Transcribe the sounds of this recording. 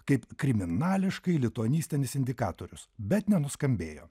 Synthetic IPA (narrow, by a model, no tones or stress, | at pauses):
kɐɪpkɾʲɪmʲɪnɑːlʲɪʃkɐɪlʲɪt̪uɔnʲiːsʲt̪ʲɪnʲɪsɪnʲd̪ʲɪkɑːt̪oːɾʲʊsbʲɛt̪nʲɛnʊskɐmʲbʲeːjo̰ː